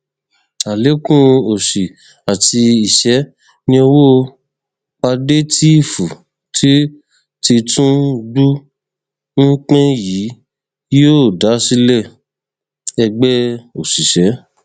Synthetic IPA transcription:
a˨le˨˦kũ˦o˨ʃi˨ | a˨ti˧i˨ʃɛ˨˦ | nĩ˧o˧wo˦˧ | k͡pa˧de˦tʰi˦i˦˨fu˨ | tʰi˦ | ti˧tũ˦ɡ͡bu˦ | ŋ̩˦k͡pɛ̃˦ji˨˦ | jo˦˨da˨˦si˦lɛ˦˨ | ɛ˧ɡ͡bɛ˦o˨si˨ʃɛ˨˦

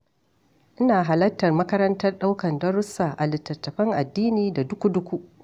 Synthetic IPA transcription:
ʔɪ˦naː˨ɦa˨lɐ˦tːɐ˨rmɐ˦kɐ˦ɾɐ˦ntɐ˦rɗa˦wkɐ˨ndɐ˦ɾʊ˦saː˨ʔa˨lɪ˨tːɐ˨tːɐ˨ɸɐ˦ŋʔa˨dːiː˦niː˨da˨dʊ˦kʷu˦dʊ˦kʷu˦ʔ

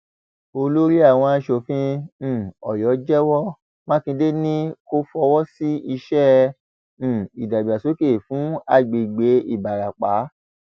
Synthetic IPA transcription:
o˧lo˦ɾi˦a˦˨w̃ɔ̃˧a˧˦ʃo˧˨fĩ˦˨ | ɔ˨jɔ˨˦d͡ʒɛ˦wɔ˦ | mã˦kĩ˧de˦nĩ˦ko˦fɔ˧wɔ˦si˦i˧ʃɛ̃˦˨ | i˨da˨bi˨a˨so˨˦ke˦˨fũ˨˦a˧ɡ͡be˨ɡ͡be˨˦i˦˨ba˨ɾa˨k͡pa˨˦

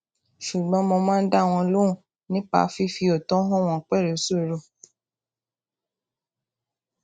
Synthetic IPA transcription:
ʃu˨ɡ͡bɔ̃˨˦mɔ̃˧mãː˦n̩˦da˦˨w̃ɔ̃˧lo˦ũ˦˨ | nĩ˦k͡pa̰˨˦fi˦fi˧o˨tɔ̃˨˦ɦɔ̃˦˨w̃ɔ̃˨k͡pɛ˦˨ɾe˨˦so˦˨ɾo˦˨

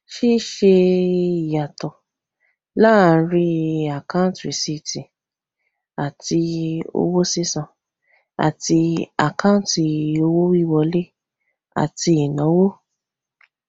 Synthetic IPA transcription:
ʃi˦ʃe˧i˨ja˨tɔ˨ | la˦˨˧ɾi˦a˨kã˦tɾi˨si˧tĩ˨ | a˨ti˧o̰˧wo˦si˦sã˧ | a̰˨ti˧a̰˨kã˦ti˨o˧˦wo˦wi˦˨wɔ˧le˦ | a̰˨ti˧i˨nã˨˦wo˦

